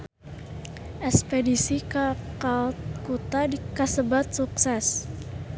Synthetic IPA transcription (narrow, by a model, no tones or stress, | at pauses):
ʔɛspedisikakat̪kut̪adikasəbat̪̚suksɛs